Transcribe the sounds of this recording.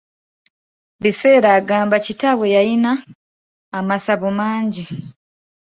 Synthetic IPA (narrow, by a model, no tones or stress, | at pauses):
βise̞ːɾaːɡaːmbacitaβwejajinaː | masaβomaːɲɟi